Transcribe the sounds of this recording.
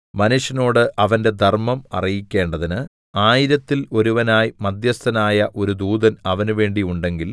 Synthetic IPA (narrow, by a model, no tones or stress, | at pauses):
mɐnuʂjɐno̞ːɽɨʔɐʋɐnde̞d̪ʱɐrmɐmɐ̰rijikʲːe̞ːɳɖɐðinɨ | aːjiɾɐt̪ːilo̞ɾuʋɐnaːjimɐd̪jɐst̪ɐnaːjɐʔo̞ɾud̪uːd̪ɐnɐʋɐnuʋe̞ːɳɖiuɳɖe̞ŋɡil